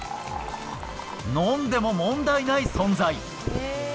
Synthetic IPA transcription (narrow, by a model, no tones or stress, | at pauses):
nõnd̪e̞mo̞mõ̞nd̪ainaisõ̞nzai